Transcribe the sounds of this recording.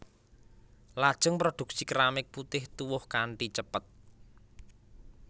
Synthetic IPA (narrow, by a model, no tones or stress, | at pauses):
lad̥ʒ̥ʊŋpɾod̪̥ṳk̚sikɾamɪk̚put̪ɪht̪uwʊhkaɳʈit͡ʃəpət̪̚